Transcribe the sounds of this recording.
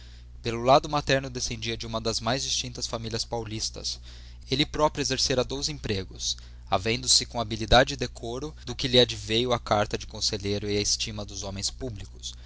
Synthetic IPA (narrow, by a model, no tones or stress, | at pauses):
pelʊlad̪ʊmat̪ɛɾnʊd̪esẽnd͡ʒiɐd͡ʒɪũmɐd̪ɐzmajzd͡ʒist͡ʃĩnt̪ɐsfamilʲiɐspawlist̪ɐ̰s | elɪpɾɔpɾjuezeɾseɾɐd̪ozẽpɾeɡʊs | avẽnd̪ʊsɪkõabilid̪ad͡ʒɪɪd̪ekʰoɾʊd̪ʊkɪlɪad͡ʒivejʊɐkaɾt̪ɐd͡ʒɪkõseʎeɾʊɪɐɪst͡ʃimɐd̪ʊzõmẽj̃spublikʊ̥s